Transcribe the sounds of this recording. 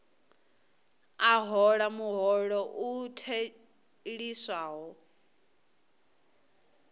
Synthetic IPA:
aɦɔɺamuɦɔɺɔʔutʰe | ɺiswaːɦɔ

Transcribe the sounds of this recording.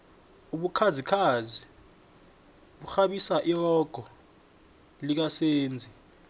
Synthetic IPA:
uɓukʰazikʰazi | ɓuxaɓisaʔirɔɡ̥ʱɔ | lik̬aseːnd͡zʱi

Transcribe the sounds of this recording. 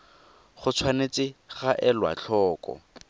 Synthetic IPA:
χʊt͡sʰwanet͡sɪχaʔɛlwa̰t͡ɬʰɔːkʼɔ̰

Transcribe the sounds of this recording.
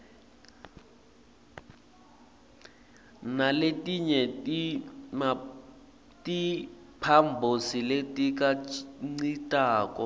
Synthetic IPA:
naletʼiɲɛtim | tʼipʰambʱosiletʼik̬ʼaŋ͡ǀitʼaːkʼɔ

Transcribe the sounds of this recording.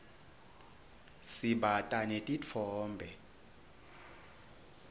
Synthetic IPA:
siɓatʼanetʼit͡fʰɔːmbʱɛ

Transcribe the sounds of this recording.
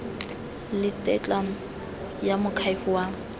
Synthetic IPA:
lɪtʼɛt͡ɬʼa | jamʊkʰaifʊwa

